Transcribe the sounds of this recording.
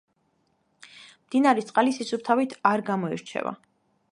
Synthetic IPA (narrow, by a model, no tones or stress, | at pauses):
md̪̥inaɾit̪sʼqʼalisisʰup̚t̪ʰavit̪ʰaɾɡamɔḭɾt͡ʃʰɛ̰va̰